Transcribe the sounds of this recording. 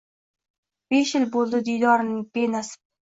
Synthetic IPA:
b̥e̞ʃjɪlbolˠd̪ɪd̪ijd̪ɒɾnɪŋpe̞nasɪ̥

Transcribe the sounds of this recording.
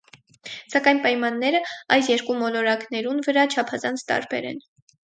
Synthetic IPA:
sɑkɑjnpɑjmɑnːɛɾəɑjsjɛɾkumɔlɔɾɑknɛɾunvəɾɑt͡ʃʰɑpʰɑzɑnt͡sʰt̪ɑ̰ɾbɛ̰ɾɛ̰n

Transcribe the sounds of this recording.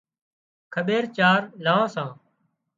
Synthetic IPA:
kʰəɓeːɾt͡ʃaːɾlaːãːsãː

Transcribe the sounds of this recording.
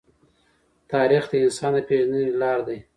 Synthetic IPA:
t̪ɑɾixd̪əɪnsɑnd̪əpeʒənənelɑɾd̪aj

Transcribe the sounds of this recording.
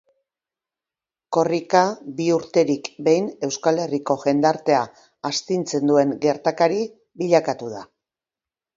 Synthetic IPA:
ko̞rikabiuɾt̪e̞ɾikbe̞jne̞wskale̞riko̞ɣe̞nd̪aɾt̪e̞aː | st̪int͡se̞nd̪ue̞ŋɡe̞ɾt̪akaɾi | βiʎakat̪uð̞a

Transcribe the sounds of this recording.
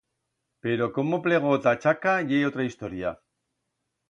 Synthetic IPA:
pe̞ɾo̞ko̞mople̞ɣ̞ot̪at͡ʃakaʝejot̪ɾaist̪o̞ɾia

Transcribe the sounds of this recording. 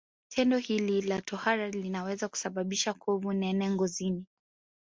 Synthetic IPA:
tʰɛndɔhililatʰɔhaɾalinawɛzaku̥saɓaɓiʃakʰɔvunɛnɛŋɡɔzini

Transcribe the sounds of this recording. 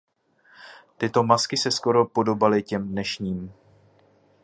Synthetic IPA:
t̪ɪt̪o̞maskɪsɛsko̞ɾo̞po̞do̞balɪcɛmdnɛʃɲiːm

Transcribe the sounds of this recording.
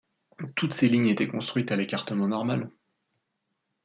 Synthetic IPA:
t̪ut̪seliɲet̪ɛkɔ̃st̪χɥit̪alekaʁt̪əmɑ̃nɔʁmal

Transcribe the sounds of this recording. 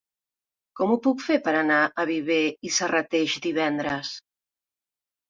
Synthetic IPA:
kɔmupukfeɾpəɾanaʔaβiβeisarat̪eʃd̪iβ̞ɛnd̪ɾəs

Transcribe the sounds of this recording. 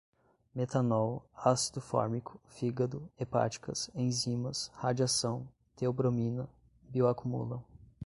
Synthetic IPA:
met̪anɔwasi̥d̪ʊfɔ̰ɾmikʰʊ̥fiɡɐd̪ʊepa̰t͡ʃi̥kɐ̰sẽj̃zĩmɐshad͡ʒiasɐ̃w̃ | t̪eobɾomĩnɐ | bioakumṵlɐ̃

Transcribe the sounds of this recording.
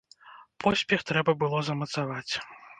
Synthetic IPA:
pʰɔsʲpʲɛxt̪ɾɛbɐbɨlˠɔzɐmɐt̪savat͡sʲ

